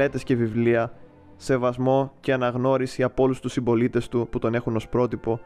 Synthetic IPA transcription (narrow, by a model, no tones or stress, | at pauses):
e̞t̪e̞sce̞vivliɐ | se̞vɐzmo̞ce̞ɐnɐɣno̞ɾisiɐpo̞lust̪usimbo̞lit̪e̞st̪uput̪o̞ne̞xuno̞spɾo̞t̪ipo̞